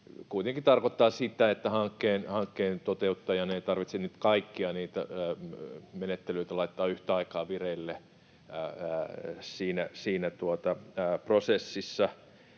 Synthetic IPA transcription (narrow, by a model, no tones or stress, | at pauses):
kuit̪eŋkit̪ɑrkot̪ːɑːsit̪æet̪ːæhɑŋkːeːnhɑŋkːeːnt̪ot̪eut̪ːɑjɑneit̪ɑrʋit̪senyt̪kɑikːiɑniːt̪æ̰ | menet̪ːelyit̪ælɑit̪ːɑːyht̪æɑikɑːʋireilːe | siːnæsiːnæt̪uot̪ɑprosesːisːɑ